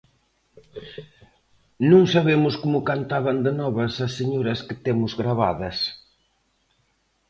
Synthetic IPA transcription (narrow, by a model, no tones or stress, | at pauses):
nũŋsaβemʊskomʊkant̪aβɐnd̪ɪnɔβɐsɐsːeɲoɾɐskɪt̪emʊzɣɾaβa̰ðɐs